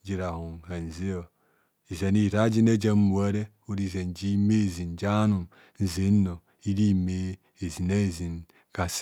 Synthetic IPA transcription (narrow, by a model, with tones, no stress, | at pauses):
d͡ʒi˨ɾa˨hu˨ŋa˨n̩˨zi˦o˨ | i˨ze˨ni˦˨ɾa˦d͡ʒi˦ne˦d͡ʒa˦m˦mu˨a˦ɾe˦ | o˦ɾi˦˨ze˨n˨d͡ʒi˦me˦˨zi˨n˨d͡ʒa˦nu˨m | n̩˨zi˨˦o˨ | i˦ɾi˦me˦ | e˨zi˨ne˦˨zi˨n | ka˨s